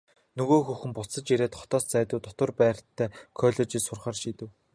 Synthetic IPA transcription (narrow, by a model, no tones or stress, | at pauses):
nɵɣoːxuxɘ̆mpʊɮsə̆t͡ɕiɾeːt̪χɔ̥t̪ɔːst͡sæːt̪ʊːt̪ɔt̪ə̆rpæːr̥ʲt̪ʰːæːkʰœːɮɔːt͡ɕiːsʊrχaːrʃiːt̪ɘ̆w